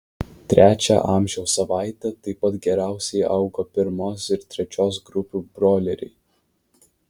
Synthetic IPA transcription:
t̪ʲɾʲʔæːt͡ʃʲæ̰ʔɑːˑmʲʒʲɛʊsɐʋɑˑɪt̪ʲɛt̪ɐɪpɐt̪ɡʲɛɾʲæˑʊsʲɛɪɐʊɡopʲɪɾmoːsɪɾt̪ʲɾʲɛt͡ʃʲoːs̬ɡɾʊpʲuːbɾoːlʲɛɾʲɪ̰ɪ

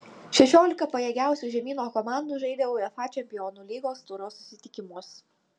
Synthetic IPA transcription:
ʃʲɛʃʲoːlʲɪkɐpɐjɛːɡʲæˑʊsʲuʒʲɛmʲiːnoːkɔmɑˑnd̪uˑʒɐɪd̪ʲɛʋɐʊɛfɑːt͡ʃʲɛmʲpʲɪjɔːnuːlʲiːɡoːst̪ʊɾoːsʊsʲɪt̪ʲɪkʲɪmʊs

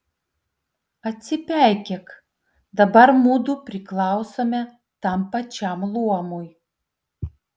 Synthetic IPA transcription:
ɐt̪ʲsʲɪpʲæˑɪkʲɛk | d̪ɐbɐɾmuːd̪upʲɾʲɪklˠɐˑʊsoːmʲɛ | t̪ɐmpɐt͡ʃʲɛˑmlˠuɔmʊj

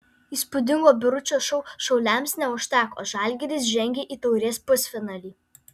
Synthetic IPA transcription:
iːspʊd̪ʲɪŋɡoːbʲɪɾʊt͡ʃʲoːʃɔʊʃɔʊlʲɛˑmsnʲɛʊʃʲt̪ʲæːko̰ːʒɑːˑlʲɡʲɛɾʲɪs̬ʒʲɛŋʲɡʲeːʔiːt̪ɔʊɾʲiɛspʊsʲfʲɪnɑːlʲiː

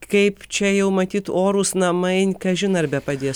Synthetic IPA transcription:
kɐɪpt͡ʃʲɛjɛʊmɐt̪ʲiːt̪oːɾusnɐmɐɪnʲkɐʒʲɪnɐɾbʲɛpɐd̪ʲeː

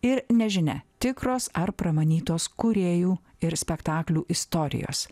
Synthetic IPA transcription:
ɪɾnʲɛʒʲɪnʲɛ̰t̪ʲɪkɾoːsɐɾpɾɐmɐnʲiːt̪oːskʊɾʲeːjuː | ɪɾsʲpʲɛkt̪ɑːklʲuːʔɪst̪oːɾʲɪ̰jo̰ːs

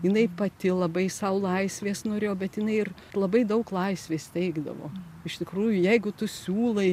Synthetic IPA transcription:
jɪnɐɪpɐt̪ʲɪlˠɐbɐɪsɐʊlˠɐɪsʲʋʲeːsnoːɾʲeːjoːbʲɛt̪jɪnɐɪɪr | lˠɐbɐɪd̪ɐʊklˠɐɪsʲʋʲeːst̪ʲɛɪɡd̪ɐ̰ʋo̰ːɪʃt̪ʲɪkɾuːjʊjɛɪɡʊt̪ʊsʲuːlˠɐɪ

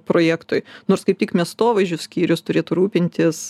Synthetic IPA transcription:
pɾoːjæːkt̪ʊjnoːɾskɐɪpt̪ʲɪkmʲiɛst̪oːʋɐɪʒʲʊssʲkʲiːɾʲʊst̪ʊɾʲeːt̪ʊɾuːpʲɪnʲt̪ʲɪs

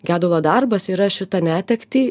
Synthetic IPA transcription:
ɡʲæːd̪ʊlˠoːd̪ɑɾbɐsiːɾɐʃʲɪt̪ɐnʲæːt̪ʲɛkt̪ʲiː

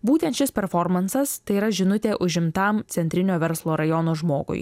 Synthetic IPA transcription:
buːt̪ʲɛnt̪ʃʲɪspʲɛɾfɔɾmɐnsɐst̪ɐɪiːɾɐʒʲɪnʊt̪ʲeːʔʊʒʲɪmt̪ɐmt̪sʲɛnʲt̪ʲɾʲɪnʲoːʋʲɛɾslˠoːɾɐjɔnoːʒmoːɡʊ̰j

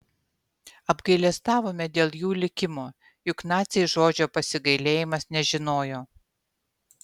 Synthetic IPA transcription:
ɐbɡɐɪlʲɛst̪ɑːʋoːmʲɛd̪ʲeːlˠjuːlʲɪkʲɪmoː | jʊknɑːt̪sʲeʒoːd͡ʒʲoːpɐsʲɪɡɐɪlʲeːjɪmɐsnʲɛʒʲɪnoːjoː

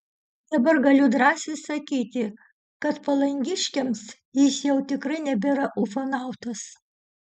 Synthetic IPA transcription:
d̪ɐbɐɾɡɐlʲʊd̪ɾɑːsʲɪsɐkʲiːt̪ʲɪ | kɐt̪pɐlˠɐŋʲɡʲɪʃʲkʲɛms | jɪsjɛʊt̪ʲɪkɾɐɪnʲɛbʲeɾɐʔʊfonɑˑʊt̪ɐs

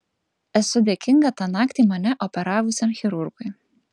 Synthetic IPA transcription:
ɛsʊb̪ʲekʲɪŋɡɐt̪ɑːnɑːkt̪ʲiːmɐnʲɛʔɔpʲɛɾɑːʋʊsʲɛmxʲɛɾʊɾɡʊɪ

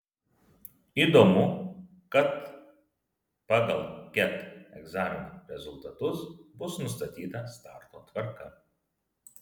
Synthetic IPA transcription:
iːˑd̪oːmʊ | kɐt̪ | pɑːɡɐlˠkʲɛt̪ɛɡzɑːmʲɪnoɾʲɛzʊlˠt̪ɐt̪ʊsbʊsnʊs̬t̪ɐt̪ʲiːt̪ɐst̪ɑːˑɾt̪oːt̪ʋɐɾkɐ

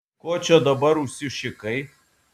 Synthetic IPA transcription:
koːt͡ʃʲɛd̪ɐbɐɾʊʃʲsʲɪʃʲɪkɐɪ

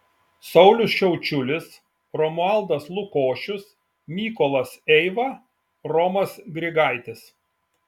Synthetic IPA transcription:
sɐʊlʲʊsʃʲɛʊt͡ʃʲʊlʲɪs | ɾɔmʊɑˑlˠd̪ɐslˠʊkoːʃʲʊs | mʲiːkɔlˠɐsɛɪʋɐ | ɾɔmɐsɡɾʲɪɡɑˑɪt̪ʲɪs

